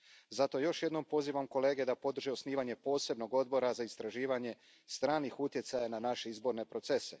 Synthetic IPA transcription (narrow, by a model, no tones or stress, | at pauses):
zat̪o̞jo̞ʃje̞d̪no̞mpo̞ziːʋamko̞le̞ːɡe̞d̪apo̞d̪r̩ʒiosniːʋaɲe̞po̞ːse̞bno̞ɡo̞d̪̚bo̞ɾazaist̪ɾaʒiːʋaɲe̞ | st̪ɾaːnixut̪je̞t̪sajananaʃe̞izbo̞ɾne̞pɾo̞t̪se̞se̞̰